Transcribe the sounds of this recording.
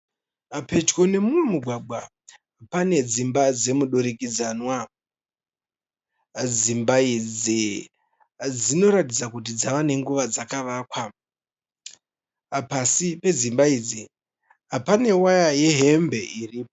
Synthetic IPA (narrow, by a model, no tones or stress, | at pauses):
ape̞t͡ʃko̞ne̞mumwe̞muɡʱwaɡ͡bʱwa | pane̞d͡zimbad͡ze̞muɗoɾikid͡zanwa | d͡zimbaid͡zi | d͡zino̞ɾatid͡zakut̬id͡zaʋane̞ŋɡuʋad͡zakaʋaːkwa | pasipe̞d͡zimbaid͡zi | apane̞wajaje̞ɦe̞mbe̞ʔiriːpo